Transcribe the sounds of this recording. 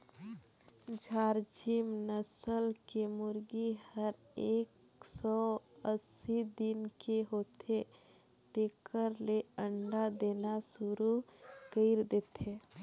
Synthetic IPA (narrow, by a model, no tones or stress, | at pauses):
d͡ʒʱaːɾd͡ʒimnəsəlkemʊɾɡihəɾ | eːk | sɔəsid̪ɪnkeɦoːt̪ʰe | t̪ekəɾleəɳɖad̪eːnasʊɾukəɪɾd̪eːt̪ʰe